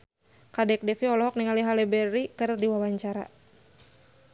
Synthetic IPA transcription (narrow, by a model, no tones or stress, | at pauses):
kadɛk̚dɛfiɔlɔɦɔk̚niŋaliɦalɛbɛɾikɨrdiwawaɲt͡ʃaɾa̰